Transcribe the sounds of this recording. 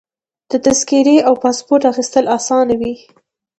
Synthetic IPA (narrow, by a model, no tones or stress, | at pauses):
d̪̥ət̪askiɾeʔawpɑspoɾʈaxist̪əlasɑnawi